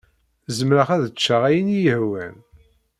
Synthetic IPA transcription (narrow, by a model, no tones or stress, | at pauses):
zəmɾəχæðət͡ʃːaʁæjənijəhwæn